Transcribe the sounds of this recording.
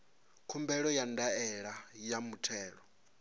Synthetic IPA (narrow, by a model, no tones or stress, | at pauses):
kʰumbɛɺɔjandaɛɺajamutʰɛːɺɔ